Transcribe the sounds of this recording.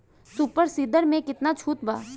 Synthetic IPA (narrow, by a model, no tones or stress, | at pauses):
supəɾsiːd̪əɾmẽkɪt̪nat͡ʃʰuːt̪ba̰ː